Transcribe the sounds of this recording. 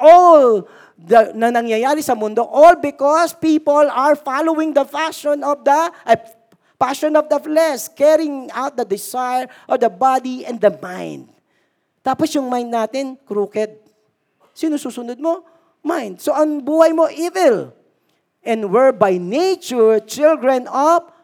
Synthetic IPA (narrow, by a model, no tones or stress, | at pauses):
ʔol | d̪ɐnɐnɐŋjɐjaːɾɪsɐmʊnd̪o̞ʔolbɪkɔspiːpolɐɹfalowɪ̃ŋd̪ɐfaʃɔ̃nɔvd̪ɐʔɐ | paʃɔnɔvd̪ɐflɛskɛɹɪ̃ŋawt̪̚d̪ɐd̪ɪsajɹʔɔd̪ɐbad̪iɛ̃nd̪ɐmãjnd̪̚ | t̪aːposjʊŋmajnd̪naːt̪ɪnkɾukɛd̪̚ | sinusuːsʊnod̪̚mo̞ | majnd̪̚soʔɐŋbuːhɐjmoʔivɪl | ʔɛ̃nwɛɹbajnet͡ʃʊɹt͡ʃɪlɡɹɛnɔv